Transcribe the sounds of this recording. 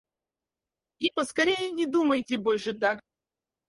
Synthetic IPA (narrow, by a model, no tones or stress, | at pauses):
ipəskɐɾʲejɪnʲɪd̪uməjtʲɪbolʲʂɨt̪ak